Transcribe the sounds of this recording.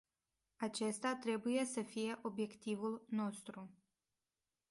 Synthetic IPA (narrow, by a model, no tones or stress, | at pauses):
at͡ʃe̞st̪at̪ɾe̞buje̞səfije̞ʔo̞bje̞kt̪ivulno̞st̪ɾu